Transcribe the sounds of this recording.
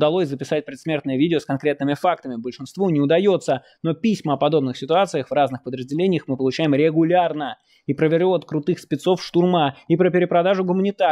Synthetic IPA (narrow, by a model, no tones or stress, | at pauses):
d̪ɐlˠo̞sʲzəpʲɪsat̚ʲpɾʲɪt̪smʲe̞rt̪nəjəvʲidʲɪoskɐnkɾʲe̞t̪nɨmʲɪfak̚t̪əmʲɪbəlʲʂɨnst̪vunʲɪʊd̪ɐjo̞t̪sə | no̞pʲisʲməɐpɐd̪o̞bnɨxsʲɪt̪ʊat̪sɨjəxvraznɨxpəd̪ɾəzʲdʲɪlʲenʲɪjəxmɨpəlˠʊt͡ɕæjɪmɾʲɪɡʊlʲarnə | ipɾəvʲɪɾʲoɐt̪kɾʊt̪ɨxspʲɪt̪so̞fʂt̪ʊrmaipɾəpʲɪɾʲɪpɾɐd̪aʐʊɡʊmənʲɪt̪a